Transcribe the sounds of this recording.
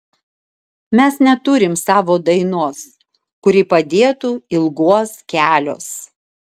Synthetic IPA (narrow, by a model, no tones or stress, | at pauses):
mʲɛsnʲɛt̪ʊɾʲɪmsɑːʋoːd̪ɐɪnuɔs | kʊɾʲipɐd̪ʲeːt̪uːɪlˠɡuɔskʲæːlʲo̰ːs